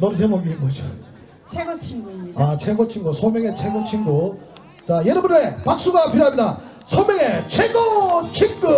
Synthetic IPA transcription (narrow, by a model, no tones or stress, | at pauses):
nʌns̬ʰemʌɡiimɡʌd͡ʑo | t͡ɕʰeɡot͡ɕʰiŋɡoat͡ɕʰeɡot͡ɕʰiŋɡosʰomjeŋet͡ɕʰeɡot͡ɕʰiŋɡo | t͡ɕajeɾɯbunepak̚s͈uɡapʰiɾjoadda | sʰomeŋet͡ɕʰeɡot͡ɕʰiŋɡo